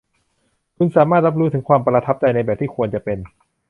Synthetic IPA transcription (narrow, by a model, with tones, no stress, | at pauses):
kʰu˧nsaː˩˦maː˥˩t̪̚ɾa˦˥p̚ɾuː˦˥t̪ʰɯ˩˦ŋkʰwaː˧mpɾa˧t̪ʰa˦˥p̚t͡ɕa˧jna˧jbɛː˨˩p̚t̪ʰiː˥˩kʰu˧ənt͡ɕa˨˩pe˧n